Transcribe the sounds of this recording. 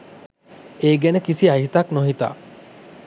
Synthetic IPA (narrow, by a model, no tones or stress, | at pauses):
eːɡenəkisiaɦit̪aknoɦit̪a̰ː